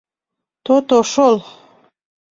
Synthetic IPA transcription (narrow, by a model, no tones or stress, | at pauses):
t̪ot̪oʃol